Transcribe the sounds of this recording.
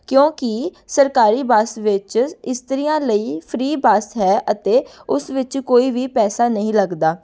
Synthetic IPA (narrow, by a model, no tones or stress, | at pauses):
kjõːkɪsəɾkaːɾiːbaːsʋɪt͡ʃɪst̪əɾijãːləiːpʰɾiːbaːsɦɛːʔət̪eːʊsʋɪt͡ʃkoːiːʋiːpɛːsaːnəɦĩːləɡd̪aː